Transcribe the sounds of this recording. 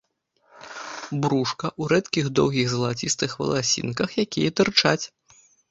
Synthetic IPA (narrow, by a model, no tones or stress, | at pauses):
bɾuʂkɐʔuɾɛt̪kʲiɣd̪ɔwɣʲiɣzɐlˠat͡sʲist̪ɨxvɐ̰lˠasʲḭnkɐxjakʲijɛt̪ɨrt͡ʂat͡sʲ